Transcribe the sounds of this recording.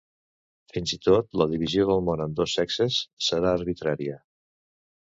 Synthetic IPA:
finzit̪ot̪ləðiβizioðəlˠmonənd̪osɛksəsːəɾaəɾβit̪ɾaɾiə

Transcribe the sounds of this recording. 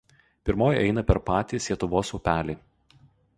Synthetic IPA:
pʲɪɾmoːjʔɛɪnɐpʲɛɾpɑːt̪ʲiːslʲiɛt̪ʊʋoːsʊːpʲæːlʲiː

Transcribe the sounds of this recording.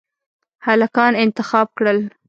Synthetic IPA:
halakɑnɪnt̪ɪxɑb̚kɽəl

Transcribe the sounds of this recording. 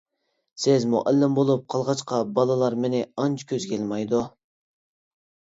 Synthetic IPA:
sɪzmṵʔælːɪmbolˠup̚qʰɑlˠʁɑt͡ʃqʰɑbɑlˠɑlˠɑɾmɪnɪɑnt͡ʃʰkʲʰøzkʲʰelmɑjd̪u

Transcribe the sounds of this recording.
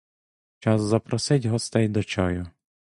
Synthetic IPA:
t͡ʃɑzzɐpɾɔsɪtʲɦɔst̪ɛjd̪ɔt͡ʃɔjʊ

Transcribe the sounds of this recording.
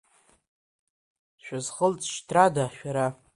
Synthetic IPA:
ʃᶣazχəlt͡sʼʃtʰradaʃᶣaɾa

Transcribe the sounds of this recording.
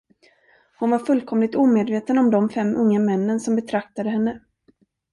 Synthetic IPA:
hʊnvaɾfɵlkʰɔmlɪt̪uːmeːd̪veːt̪ənɔmd̪ɔmfɛmːʔɵŋːamɛnːənsɔmbɛt̪ʰɾak̚t̪ad̪əɦɛnːə

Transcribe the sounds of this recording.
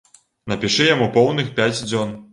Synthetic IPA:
nɐpʲiʂɨjamupɔwnɨxpʲat͡sʲd͡zʲɔn

